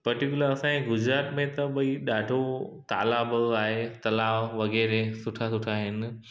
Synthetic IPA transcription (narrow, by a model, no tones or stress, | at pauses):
pɐɾʈik̬ʲjʊləɾɐsãːẽɡʊd͡ʑɾaːt̪mẽt̪ɐɓɐiɗaːɖʱot̪a̰ːlaːbaːɦet̪ɐlaːʋʋɐɣɛːɾesʊʈʰasʊʈʰaːɦɪnɪ̆